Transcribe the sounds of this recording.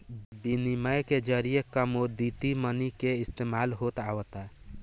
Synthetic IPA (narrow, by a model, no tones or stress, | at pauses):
biniməjked͡ʒəɾijekəmoɾd̪it̪imənikeɪst̪emalɦot̪awət̪a